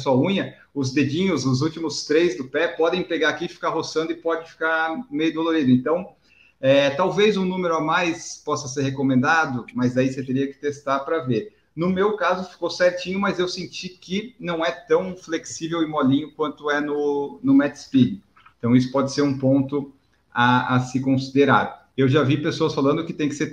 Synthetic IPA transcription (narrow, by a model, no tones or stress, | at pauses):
sɔũɲɐ | ʊzd̪ed͡ʒĩɲʊzʊzuwt͡ʃimʊst̪ɾejzd̪ʊpɛpɔd̪ẽj̃peɡaakifi̥kaɾɦosɐ̃nd̪ʊɪpɔd͡ʒɪfi̥kaɾʊmejʊd̪oloɾid̪ʊẽnt̪ɐ̃w̃ | ɛt̪awvejzʊ̃nũmeɾʊamajspɔsɐseɾhekomẽnd̪ad̪ʊmɐzd̪aiset̪eɾiɐkɪ̥t̪est̪aɾpɾɐveɾ | nʊmewkazʊfi̥kowsɛɾt͡ʃĩɲʊmɐzewsẽnt͡ʃikɪnɐ̃w̃ɛt̪ɐ̃w̃fleksivewɪmɔlĩɲʊkwɐ̃nt̪ʊɛnʊnʊmɛd̪ɪ̥spid͡ʒɪ | ẽt̪ɐ̃w̃isʊ̥pɔd͡ʒɪseɾũpõnt̪ʊ | aasɪkõsid̪eɾa̰ɾ | ewʒavipesoɐsfalɐ̃nd̪ʊkɪt̪ẽj̃kɪseɾ